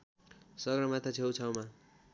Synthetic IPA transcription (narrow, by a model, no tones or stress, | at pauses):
sʌɡɾʌmat̪ʰat͡sʰewt͡sʰʌwma